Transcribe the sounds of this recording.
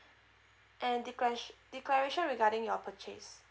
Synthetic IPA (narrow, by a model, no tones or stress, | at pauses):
ʔɛ̃ndd̥iklɛɹeʃɔ̃nɹiɡaɾɪ̃ŋjɔpʰət͡ʃḛs